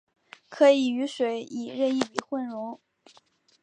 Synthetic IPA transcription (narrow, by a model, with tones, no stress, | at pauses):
kʰɤ˧˥i˨˩y˧˥ʂwe˨˩ɪi˨˩ɻə˥˧ni˥˩pi˨˩xwə˥˩nɻʊ˧˥ŋ